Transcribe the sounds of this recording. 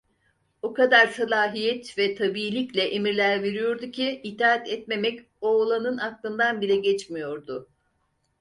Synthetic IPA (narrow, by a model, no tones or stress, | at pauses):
okad̪aɾsalʲˠaːɦijɛt̪vɛt̪ʰabiːlʲiclʲɛʔemiɾlʲæɾve̞ɾijo̞ɾd̪ucʰiːt̪ʰaːat̪ɛt̪me̞mɛc | oːlˠanɯnaklˠɯnd̪anbilʲɛɟɛt͡ʃmijo̞ɾd̪ʊ